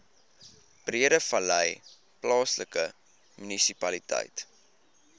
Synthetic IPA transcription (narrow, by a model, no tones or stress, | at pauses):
b̥riəɾəfɐləj | plɑːsləkə | mynisipɐlitə̰jt